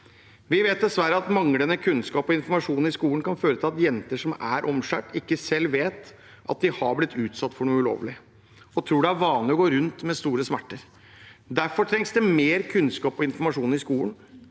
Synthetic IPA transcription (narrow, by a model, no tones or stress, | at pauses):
ʋɪʋeːt̪̚d̪ɛsʋæɾəɑt̪mɑŋlənəkʰʉnskɑːpɔɪnfɔɾmɑʂuːn̩ɪskuːənkʰɑnføːɾət̪ʰɪlɑt̪jɛnt̪əʂɔmæɾʔɔmʂæ̰ːʈɪkːəsɛlːʋeːt̪ | ʔɑ̰t̪̚d̪ɪhɑblɪt̪ʰːʉːt̪sɑt̪ːfɔɳuːəʉlo̰ːʋlɪ | ɔt̪ʰɾuːɖɛæɾʋɑːnlɪɔɡoːɾʉnt̪mɛst̪uːɾəsmæʈːəɾ | d̪æɾfɔʈʰɾɛŋsd̪ɛmeːɾkʰʉnskɑːpɔɪnfɔɾmɑʂuːn̩ɪskuːlən